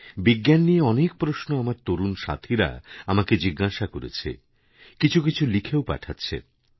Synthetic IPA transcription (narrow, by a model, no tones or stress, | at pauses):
biɡːjanːieɔnek̚pɾoʃnoamaɾt̪oɾunʃa̰t̪ʰiɾa̰amaked͡ʑiɡːaʃakoɾḛt͡ɕʰḛ | kit͡ɕʰukit͡ɕʰulikʰeopa̰ʈʰatːɕʰḛ